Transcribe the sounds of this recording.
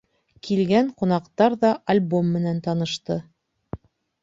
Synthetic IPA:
kʰilɡæɴqŭnɑqt̪ɑɾðɑʔɐlʲbo̞mːɘ̆nænt̪ɑnɤ̆ʃt̪ɤ

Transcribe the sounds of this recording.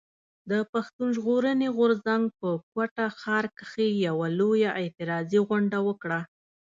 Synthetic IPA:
d̪əpaxt̪unʒɣoɾəneɣʊɾzaŋɡ̚pəkwaʈaxɑɾkəxejawalojaʔɪt̪ɪɾɑziɣʊɳɖawəkɽa

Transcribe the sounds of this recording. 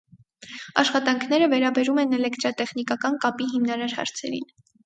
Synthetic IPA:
ɑ̰ʃχɑt̪ɑŋkʰnɛɾəvɛɾɑbɛɾumɛnɛlɛkt̪ɾɑt̪ɛχnikɑkɑnkɑpiɦimnɑɾɑɾhɑ̰ɾt͡sʰɛ̰ɾḭn

